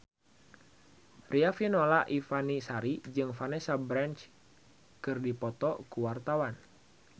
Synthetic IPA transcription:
rʔiafinolaʔifanisaɾid͡ʒɨŋfanɛsabɾant͡ʃ | kɨrdipɔt̪ɔkuwart̪awan

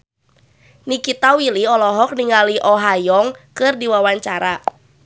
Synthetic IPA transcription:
nikit̪awiliɔlɔɦɔk̚niŋaliʔɔɦajɔŋkɨrdiwawaɲt͡ʃaɾa

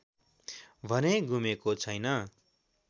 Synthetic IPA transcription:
bʱʌneɡumekot͡sʰʌjnʌ

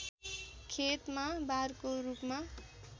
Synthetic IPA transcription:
kʰet̪mabarkorupma

